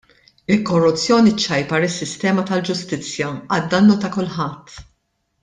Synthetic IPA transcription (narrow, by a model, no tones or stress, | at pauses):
ɪlkɔrːʊt͡sːjɔːnit͡ʃːɐjpɐɾɪsːɪst̪ɛːmɐt̪ɐld͡ʒʊst̪ɪt͡sːjɐɐd̪ːɐnːut̪ɐkʊlħɐt̪ː